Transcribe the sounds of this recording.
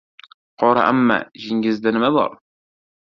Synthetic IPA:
qʰɒɾɑ̰ʔæmːæ̰ʒɪŋɡʲɪzd̪ænɪmæbɒ̰ɾ

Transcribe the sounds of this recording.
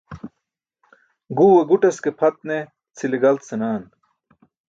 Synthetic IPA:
ɡuːweɡuʈɐskepʰɐt̪̚ne | t͡sʰileɡɐlt̪senaːn

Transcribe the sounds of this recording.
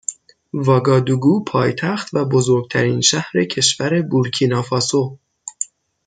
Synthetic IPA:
vɒːɡɒːd̪uɡuːpʰɒːjt̪ʰæxt̪væbo̞zoɾɡ̚t̪ʰæɾiːnʃæhɾe̞cʰe̞ʃvæɾe̞buɾcʰiːnɒːfɒːso

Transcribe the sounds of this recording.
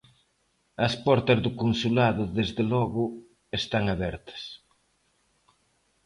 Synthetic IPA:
ɐspɔɾt̪ɐzðʊkonsulaðʊðezðelɔɣʊ | est̪aŋaβɛɾt̪ɐ̥s

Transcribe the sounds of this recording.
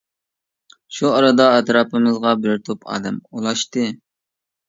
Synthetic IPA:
ʃuɑɾɨd̪ɑɛt̪ɾɑːpʰɨmɨzʁɑbɪɾt̪ʰopʰɑ̰ːd̪ɛmolˠɑʃt̪ɨ

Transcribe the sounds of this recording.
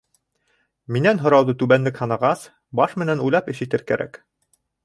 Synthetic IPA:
minænɦŏɾɑwd̪ɤt̪ʉβænlɘkhɑnɑʁɑs | bɑʃmɘ̆nænujlˠɑpɘ̆ʃit̪ɘɾkæɾʔæ̰k

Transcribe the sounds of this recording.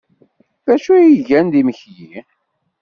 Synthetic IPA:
ðæʃujiʝænd̪iməçji

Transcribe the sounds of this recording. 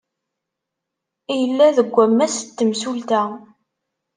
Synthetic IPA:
ijəlːæðəɡʷːæmːæsət̪ːəmsult̪æ

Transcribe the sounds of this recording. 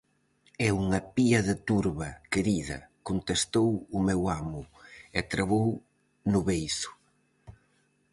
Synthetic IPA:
ɛuŋɐpiɐðɪt̪uɾβɐkeɾiðɐ̰kont̪est̪owʊmewamʊɛt̪ɾaβow | nʊβejsʊ̥

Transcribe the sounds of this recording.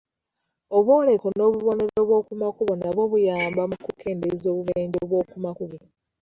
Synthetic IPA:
oβwo̞ːle̞ko̞no̞ːβuβone̞ɾeβwo̞ːkumakuβonaβo̞βujaːmbamukuke̞ːndezo̞ːβuβeːɲɟoβwo̞ːkumakuβo

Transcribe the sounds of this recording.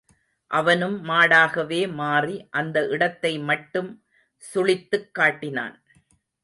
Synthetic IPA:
ʔɐʋɐnɯmːaːɽaːɣɐʋeːmaːriʔɐnd̪ɐʔɪɽɐt̪ːɐɪmɐʈːɯm | sʊɭɪt̪ːɯkːaːʈːɪna̰ːn

